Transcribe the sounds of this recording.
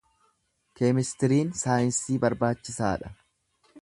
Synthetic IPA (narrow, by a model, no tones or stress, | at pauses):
keːmɪst̪ɪɾiːnsaːjɪnsiːbɐɾbaːt͡ʃːɪsaːᶑɐ